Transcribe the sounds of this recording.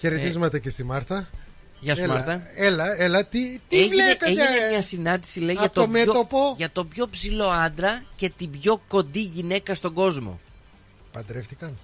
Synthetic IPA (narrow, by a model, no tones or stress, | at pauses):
çeɾet̪izmɐt̪ecest̪imɐɾθɐ | ʝɐst̪mɐɾθɐelɐelɐt̪it̪ieʝvlieepeeʝinemɲɐsinɐnd̪isileiʝɐt̪oommeot̪opoʝɐt̪o̞pço̞psilo̞ɐnd̪ɾɐce̞t̪ibʝo̞ko̞nd̪iʝine̞kɐst̪o̞ɡo̞zmo̞̰ | pɐnd̪ɾe̞ft̪ikɐn